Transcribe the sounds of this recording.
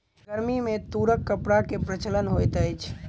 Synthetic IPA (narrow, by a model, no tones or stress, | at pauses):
ɡəɾmimẽt̪uɾəkːəpɽakepɾət͡ʃələnɦojt̪əjt͡ʃʰ